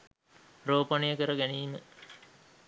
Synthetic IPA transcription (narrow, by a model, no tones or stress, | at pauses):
roːpɐnijəkəɾəɡæniːmə